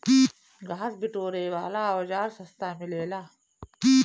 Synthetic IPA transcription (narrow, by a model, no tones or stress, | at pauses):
i | ɡʱaːsbɪʈoːɾeːʋaːlaːoːd͡ʒaːɾsɐst̪aːmɪleːlaː | i